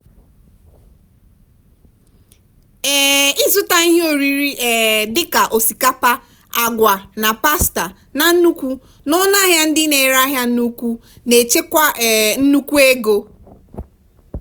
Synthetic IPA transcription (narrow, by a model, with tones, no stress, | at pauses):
ɛ˦ɪ˦zʊ˦ta˦i˦ɦe˦o˨ɾi˦ɾi˦ɛ˨dɪ˦ka˨ʔo˨si˨ka˦pa˦ | a˨ɡʷa˨na˨pa˦sta˨ | na˨n̩˦nu˦kʷu˦ | nʊ˦na˦ɦja˦n̩˦dɪ˦ne˨ɾa˦ɦja˦nu˦kʷu˦ne˨t͡ʃe˦kʷa˦˨n̩˦nu˦kʷu˦e˦ɡo˦